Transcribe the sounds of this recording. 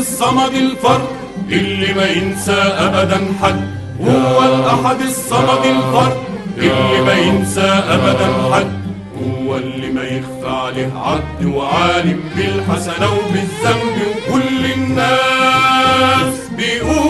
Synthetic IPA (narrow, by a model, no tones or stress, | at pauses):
sˤːɑmɑd̪ɪlfɑɾˤ | ʔɪlːɪmaʔɪnsaːʔabad̪anħad̪ | hʊwːalʔaħad̪ɪsˤːɑmɑd̪ɪlfɑɾˤʔʔɪlːɪmaʔɪnsaːʔabad̪anħad̪̚ | hʊwalːɪmajɪxt̪aːlɪhʕab̚d̪waʕaːlɪmbɪlħasanawbɪðːambɪkʊlːɪnːaː | s | bɪʔʊ